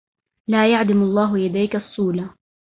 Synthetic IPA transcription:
laːjaʕd̪amɑlˤːɑːɦʊjad̪ajkɑsˤːuːla

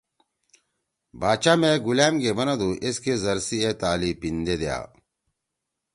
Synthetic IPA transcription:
baːt͡ɕamẽɡulaːmɡebɐnad̪uʔeskezɐɾsiet̪aːlipind̪ed̪eja̰ː

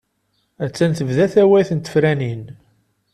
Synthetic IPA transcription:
æt͡sːænθəvðæθæwæjθənt̪ːə̥fɾænin

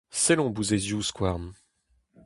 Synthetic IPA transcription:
sɛlɔ̃buzezjuskwaʁn

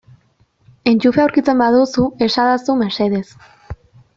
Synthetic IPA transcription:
e̞nt͡ʃufeawɾkit͡se̞mbaðusue̞saðasumeɾse̞ðe̞s

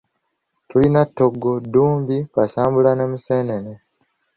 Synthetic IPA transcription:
tulinatːo̞ɡːoduːmbikasaːmbulanemuseːnene

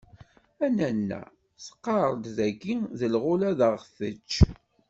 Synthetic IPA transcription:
ænænːæ̰ | sə̥qːɑɾˤəd̪ðæɡiðəlʁʊlæðəʁθət͡ʃː

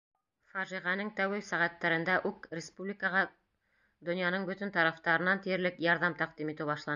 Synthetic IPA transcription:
fɑʒiʁɑnɤŋt̪æwɘsæʁæt̪ːæɾɘ̆nd̪æʔʉkrʲɪspublʲɪkəʁɑ | d̪ŏnjɑnɤɴbɵt̪ɘ̆nt̪ɑɾɑft̪ɑɾɤ̆nɑnt̪ijɘ̆ɾlɘkjɑɾðɑmt̪ɑq̚d̪imit̪ɘwbɑʃlˠɑn

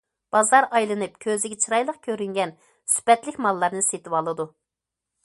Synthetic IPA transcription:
b̥ɑzɑɾɑjlˠɨnɨpkʲʰøzɪɡʲɛt͡ʃʰɨɾɑjlˠəq̚kʲʰøɾyŋɡʲɛn | sy̥pɛt̪lɪkʲmɑlˠːɑɾnɨset̪ʰɪwɑlˠɨd̪u

